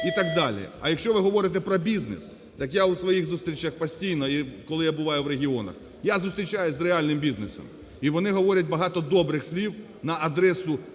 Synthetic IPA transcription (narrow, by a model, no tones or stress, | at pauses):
it̪ɑɡd̪ɑlʲḭɐ̰jɐkʃt͡ʃɔʋɪɦɔʋɔɾɪt̪ɛpɾɔbʲiznɪ̰s | t̪ɑkjawsʋɔjiɣzust̪ɾʲit͡ʃɐxpɐsʲtʲijnɔikɔlˠɪjabʊʋɑjʊʋɾeɦʲiɔnɐ̰x | jazust̪ɾʲit͡ʃajʊzʲrealʲnɪmbʲiznɪsɔ̰m | iʋɔnɪɦɔʋɔɾʲɐt̚ʲbɐɦɑt̪ɔd̪ɔbɾɪxsʲlʲiw | nɐɐd̪ɾɛsʊ